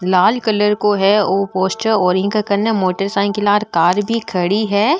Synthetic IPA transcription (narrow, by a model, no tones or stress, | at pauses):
laːlkɐləɾkoɦɛoːpoːsʈəɾɔːɾɪ̃kakɐɾnemoːʈəɾsãːɪ̃kɪlaːɾkaːɾbʱikʰɐɽiɦɛː